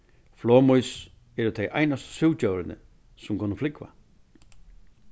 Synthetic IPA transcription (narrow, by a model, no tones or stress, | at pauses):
flɔːmujs | ɛɾʊt̪ʰejʔa̰jnast̪suwt͡ɕœwɾɪnə̰ | sʊmkʰʊnəflɪkva̰